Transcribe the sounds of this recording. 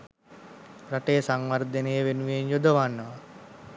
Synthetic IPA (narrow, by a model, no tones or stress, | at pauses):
raʈejːsaŋʋəɾd̪ənejəʋenuʋenjod̪əʋanːəʋɐ